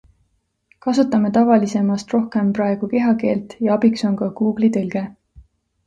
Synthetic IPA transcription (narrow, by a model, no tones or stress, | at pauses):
kɑsut̪ːˑɑme̞t̪ɑvɑlise̞mɑst̪ro̞hke̞mprɑeɡ̥uke̞ɦɑke̞ːlt̪jɑɑbikso̞nkɑkuːɡ̥lit̪ɤlɡ̥e̞